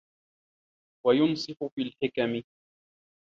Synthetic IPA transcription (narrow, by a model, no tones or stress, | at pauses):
wajʊnsˤɨħʊfiːlħɪkamɪ